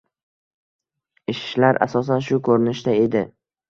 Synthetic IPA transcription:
ɪʃɪ̥ʃlaɾʔa̰sɒs̬anʃʊkʰɵɾɪnɪʃd̪ae̞d̪ɪ

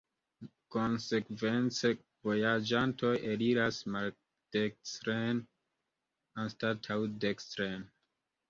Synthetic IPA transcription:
ko̞nse̞kve̞nt͡se̞ | vo̞jad͡ʒanto̞jeliɾasmal | d̥ekstɾen | anstatʰawdekstɾen

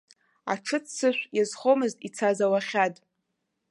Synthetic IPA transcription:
a̰ʈ͡ʂʰɨt͡ssɨʃᶣʷjazχomɨztʼit͡sʰazawaχʲatʼ

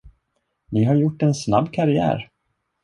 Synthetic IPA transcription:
nɪɦaɾjʊʈːɛnsna̰bːkʰaɾɪæ̰ːɾ

